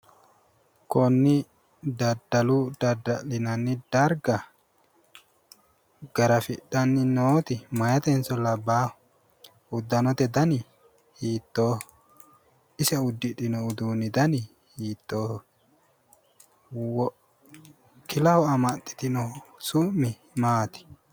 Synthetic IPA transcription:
kɔnːɪ | d̪ɐd̪ɐlʊd̪ɐd̪ɐlɪnɐnːɪd̪ɐɾɡɐ | ɡɐɾɐfɪɗɐnːɪnoːt̪ɪmɐjɐt̪ɛnsɔlɐbaː | ʊd̪ːɐnɔt̪ɛd̪ɐnɪ | hiːt̪ːoː | ɪsɛʊd̪ːɪᶑɪnɔʊd̪uːnːɪd̪ɐnɪ | hiːt̪ːoː | wɔ | kɪlɐhɔɐmɐt̪ʼːɪ̥t̪ɪnɔsʊmːɪ | maːt̪ɪ̥

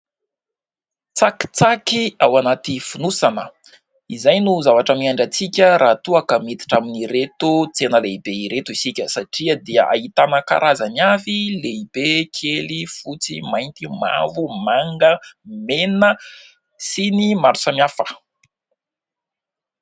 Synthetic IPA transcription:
t͡saki̥t͡sakiawanat̪ifunusanə | izajnuzavaʈ͡ʂamiaɳɖ͡ʐat͡sikʲəɾʔaːt̪uakəmit̪i̥ʈ͡ʂaminiɾet̪ut͡senəleibeiɾet̪uisikʲəsaʈ͡ʂiəd̪iəʔa̰it̪anəka̰ɾʔazamjavileib̥ekʰelifut͡simajnt̪ima̰vumaŋɡəmenə | sinimaɾusamjafə̥

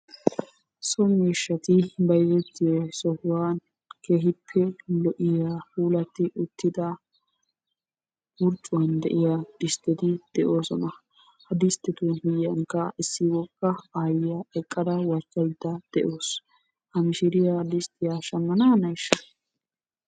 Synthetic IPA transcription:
sɔmiːʃːɐt̪ɪbɐjzɛt̪ːɪjɔsɔhwaːn | keːɦɪpʰːɛlɔʔɪjahuːlɐt̪ːɪʔʊt̪ːɪd̪ɐ | wʊɾt͡ʃʼːʊwɐnd̪ɛʔɪjad̪̥ɪst̪ːɛt̪ɪd̪̥ɛʔo̞ːsɔnɐ | hɐd̪ɪst̪ːɪt̪umɪjjɐŋkːɐʔɪsːɪwɔkʼːɐaːjɪjaɛkʼːɐd̪ɐwɐɾkʼːɐjd̪ːɐd̪̥ɛʔo̞ːs | hɐmɪʃɪɾɪjad̪ɪst̪ːɪjaʃɐmːɐnanɐjʃːɐ

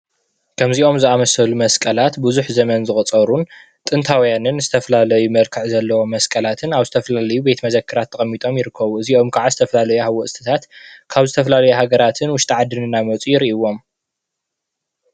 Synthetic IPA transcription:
kʰɐmziʔo̞mzɨamɐsɐlumɐskʼɐlat̪buzuħzɐmɐnzɨxʼt͡sʼɐɾun | t̪ʼɨnt̪ʰawjanɨnzɨt̪ʰɐfɐlalɐjumɐɾkʰɨʕzɐlːɐwo̞mɐskʼɐlat̪ʰɨnaβzɨt̪ʰɐfɐlalɐjube̞t̪mɐzɐkʰːɨɾat̪ʰːɐχʼɐmːit̪ʼo̞mjɪɾɨkʰːɐβuɨziʔo̞mkʰaʕazɨt̪ʰɐfɐlalɐjuhawːɐʔsʼt̪ʰɨ̥t̪ʰat̪kʰaβzɨt̪ʰɐfɐlalɐjuɦaɡɐɾat̪ʰɨnwʊʃt̪ʰʼiʕad̪ɨnɨnamɐt͡sʼujɪɾiʔiwo̞m

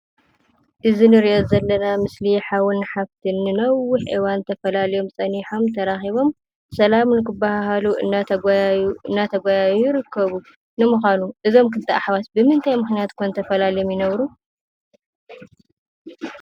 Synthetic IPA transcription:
ʔɨzinɨɾiʔozɐlːɐnamɨsliħawɨnħaβt̪ʰinːɨnɐwːʊħʔiwant̪ʰɐfɐlalijo̞msʼɐniħo̞mt̪ʰɐɾaxiβo̞m | sɐlamnɨkɨbːahaɦaluʔɨ̰nːaɐɡuɨnːat̪ʰɐɡʷajajujɪɾɨkːɐβu | nɨmɨxʷanuʔɨzo̞mkɨnt̪ʰaʔaħβat̪bɨmɨnt̪ʰajmɨxnijat̪kʰont̪ʰɐfɐlalijomjɪnɐβɾu

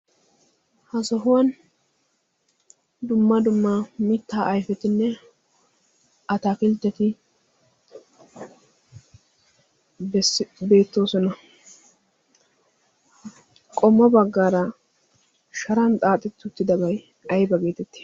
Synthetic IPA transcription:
hɐsɔɦʊwɐn | d̪ʊmːɐd̪ʊmːamɪt̪ːaːʔɐjfɛt̪ɪnːɛ | ɐt̪aːkɪlt̪ːɛt̪ɪ | be̞ːt̪ːo̞ːsɔnɐ | kʼɔmːɐbɐɡːaːɾɐ | ʃɐɾɐnt̪ʼaːt̪ʼɪt̪ːʊt̪ːɪd̪ɐbɐj | ɐjbɐɡe̞ːt̪ɛt̪ːɪ̥

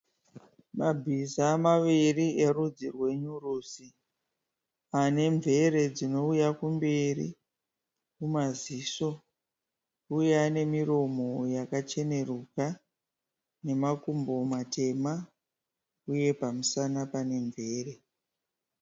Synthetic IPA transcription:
mabʱizamaʋiriʔeɾud͡zirwe̞ɲurusi | ane̞ɱvʱe̞ɾe̞d͡zino̞ujakumberḭ | kumaziːso̞ | ujane̞miɾo̞mojakat͡ʃe̞ne̞ruka | ne̞makumbo̞mate̞ma | uje̞pamusanapane̞ɱve̞ːre̞

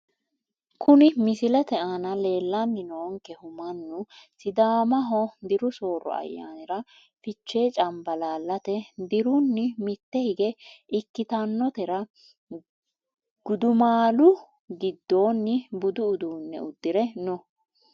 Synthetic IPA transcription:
kʊnɪmɪsɪlɛt̪ɛʔaːnɐle̞ːlːamɪnoːŋkɛhʊmɐnːʊsɪd̪aːmɐɦɔd̪ɪɾʊso̞ːɾːɔ̰ɐ̰jːa̰ːnɪɾɐ | fɪt͡ʃːe̞ːt͡ʃʼɐmbɐlaːlːɐt̪ɛd̪ɪɾʊnːɪmɪt̪ːɛhɪɡɛʔɪkːɪt̪ɐnːɔt̪ɛɾɐ | ɡ̥ʊd̪ʊmaːlʊ | ɡɪd̪ːo̞ːnːɪbʊd̪ʊːd̪uːnːɛ̰ʊd̪ːɪɾɛnɔ

